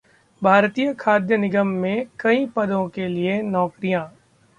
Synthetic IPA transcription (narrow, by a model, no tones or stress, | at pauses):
bʱaːɾt̪ijəkʰaːd̪jənɪɡəmːẽkɐĩpɐd̪õkelienɔːkɾijãː